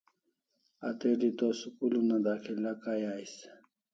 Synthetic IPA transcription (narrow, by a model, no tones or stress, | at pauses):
a̰t̪edit̪osukulunad̪akʰilakajaːis